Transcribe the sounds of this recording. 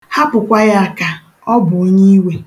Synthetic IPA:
ha˦pʊ˨kʷa˦ja˦a˨ka˨ | ɔ˦bʊ˨o˦ɲi˦we˨

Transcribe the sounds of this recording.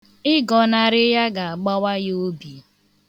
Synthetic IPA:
ɪ˦ɡɔ˨na˨ɾɪ˦ja˦ɡa˨a˨ɡ͡ba˦wa˦jo˦bi˨

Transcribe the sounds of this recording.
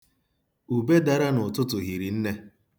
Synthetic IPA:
u˨be˦da˨ɾa˦nʊ˨tʊ˦tʊ˨ɦi˨ɾi˨n̩˦ne˦

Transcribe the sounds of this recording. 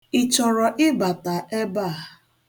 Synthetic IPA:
ɪ˨t͡ʃɔ˨ɾɔ˨ʔɪ˦ba˨ta˨e˦ba˦˨

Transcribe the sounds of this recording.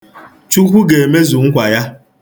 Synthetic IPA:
t͡ʃu˦kʷu˦ɡe˨e˨me˦zu˨ŋ̩˦kʷa˨ja˦

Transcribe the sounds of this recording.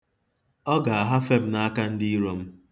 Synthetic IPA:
ɔ˦ɡa˨a˨ɦa˦fe˦m̩˦na˦a˦ka˦n̩˦dɪ˦i˦ɾo˦m̩˦

